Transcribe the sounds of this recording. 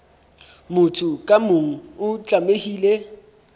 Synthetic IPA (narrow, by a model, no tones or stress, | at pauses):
mʊtʰʼʊkʼamʊŋ̩ʊt͡ɬʼamehiːle